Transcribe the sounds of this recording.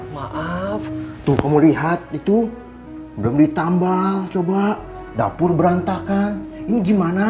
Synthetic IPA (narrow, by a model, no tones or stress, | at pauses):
maʔaft̪ʊhkamuliɦat̪̚it̪u | bəlʊmdit̪ambalt͡ʃobaʔ | da̰pʊrbəɾant̪akaniniɡimana